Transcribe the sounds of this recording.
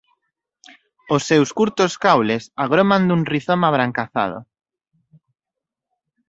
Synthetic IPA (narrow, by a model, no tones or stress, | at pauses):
osːewskuɾt̪ʊskawlesaɣɾomand̪uŋriθomaβɾaŋkaθa̰ð̞ʊ̰